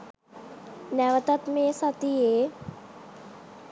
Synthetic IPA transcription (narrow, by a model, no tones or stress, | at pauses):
nɛʋət̪ɐt̪meːsɐt̪ijeː